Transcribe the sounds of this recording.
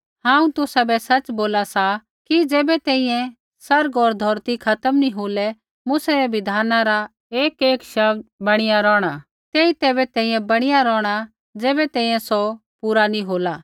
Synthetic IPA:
ɦãːũt̪ʊsabɛsɐt͡ʃboːlasa | kid͡zɛːbɛt̪ɛ̃ːĩjɛ̃ | sɐɾɡɔːɾd̪ʱɔːɾt̪ikʰɐt̪əmnĩɦoːlɛ | mʊsɛɾɛʋɪd̪ʱaːnãɾa | eːkeːkʃɐbbɐɽ̃ɪjaɾɔːɽ̃a | t̪eːit̪ɛːbɛt̪ɛ̃ːĩjɛ̃bɐɽ̃ɪjaɾɔːɽ̃a | d͡zɛːbɛt̪ɛ̃ːĩjɛ̃sɔ | puːɾaniɦoːla

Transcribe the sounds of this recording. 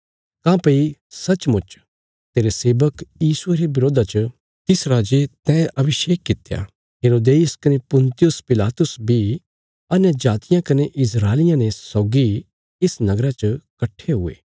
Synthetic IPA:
kãːpɐisɐt͡ʃmʊt͡ʃ | t̪eːɾeseːbəkjiːsʊeːɾebɪɾoːd̪ʱat͡ʃə | t̪ɪsɾaːd͡ʒet̪ɛ̃ːʔɐbɪʃeːkːɪt̪eja̰ | ɦeːɾoːd̪eːʊskɐnepʊ̃nt̪ɪjʊspɪlaːt̪ʊsbʱi | ɐnɛd͡ʒaːt̪ɪjãkɐneʔɪs̬ɾaːlɪjãnesɔːɡi | ɪsnɐɡɾat͡ʃəkɐʈʰːeɦʊḛː

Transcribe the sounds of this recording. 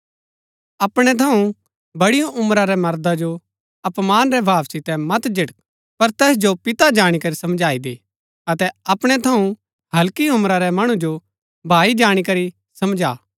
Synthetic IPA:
ɐpɽ̃ɛt̪ʰɐũ | bɐɽijõʔʊmɾaɾɛmɐɾd̪ad͡ʒo | ɐpmaːnɾɛbʱaːʋsɪt̪ɛmɐt̪d͡ʒɪʈək̚ | pɐɾt̪ɛːsd͡ʒopɪt̪ad͡ʒaːɽ̃ikɐɾisɐmd͡ʒaːid̪eː | ɐt̪ɛɐpɽ̃ɛt̪ʰɐũ | ɦɐlkiʊmɾaɾɛmɐɽ̃ũd͡ʒo | bʱaːid͡ʒaːɽ̃ikɐɾi | sɐmd͡ʒaː

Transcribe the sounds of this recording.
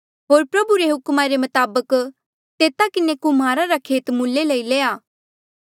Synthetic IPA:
ɦoːɾpɾɐbuɾeɦʊkmaɾemɐt̪aːbək | t̪eːt̪akɪnekʊmaːɾaɾakʰeːt̪mʊlːeləileːaː

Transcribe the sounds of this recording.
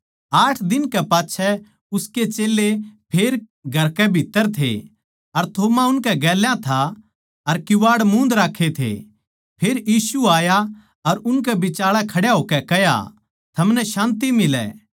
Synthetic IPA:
aːʈʰd̪ɪnkɛpaːtːt͡ʃʰɛ | ʊsket͡ʃeːlːepʰeːɾ | ɡʱɐɾkɛbʱɪt̪ːəɾt̪ʰḛ | ɐɾt̪ʰoːmaʊnkɛɡɛːljãt̪ʰa | ɐɾkɪʋaːɽmũːnd̪ɾaːkʰːet̪ʰḛ | pʰeːɾjiːsuaːja | ɐɾʊnk̬ɛbɪt͡ʃaːɭɛkʰɐɽjaɦoːkɛkɛja̰ | t̪ʰɐmnɛʃãːnt̪imɪlɛ̰ː

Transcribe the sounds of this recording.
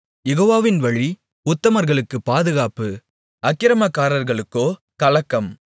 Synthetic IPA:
jɛɣoːʋaːʋɪnʋɐɻi | ʊt̪ːɐmɐɾɣɐɭɯkːɯpaːðɯɣaːpɯ | ɐkːɪɾɐmakːaːɾɐɾɣɐɭɯkːoː | kɐlɐkːɐm

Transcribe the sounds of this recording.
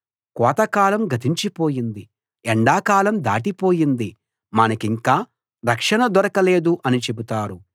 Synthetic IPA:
kɔːt̪ɐkaːlɐmɡʱɐt̪ʰiɲt͡ʃipo̞ːjind̪i | ɛɳɖaːkaːlɐmd̪a̰ːʈipo̞ːjind̪i | mɐnɐkiŋkaː | ɾɐkʂɐɳɐd̪wɔɾɐkɐleːd̪uʔɐnit͡ʃe̞but̪aːɾu

